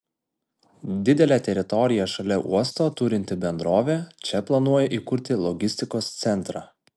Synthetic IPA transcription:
d̪ʲɪd̪ʲɛlʲæːt̪ʲɛɾʲɪt̪ɔɾʲɪjɛʃɐlʲɛʔuɔst̪oːt̪ʊɾʲɪnʲt̪ʲɪbʲɛnd̪ɾoːʋʲeːt͡ʃʲɛplˠɐnuɔjɛʔiːkʊɾʲt̪ʲɪlˠɔɡʲɪsʲt̪ʲɪkoːst̪sʲɛnˑt̪ɾɑː

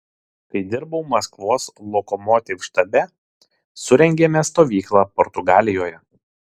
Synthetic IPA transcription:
kɐɪd̪ʲɪɾbɐʊmɐskʋoːslˠɔkɔmɔːt̪ʲɪfʃt̪ɐbʲɛ | sʊɾʲɛŋʲɡʲemʲɛst̪oːʋʲiːklˠɑːpɔɾt̪ʊɡɑːlʲɪjoːjɛ

